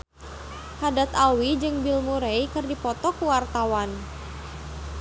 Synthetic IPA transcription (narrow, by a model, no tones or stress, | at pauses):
hadat̪awid͡ʒɨŋbilmuɾejkɨrdipɔt̪ɔkuwart̪awan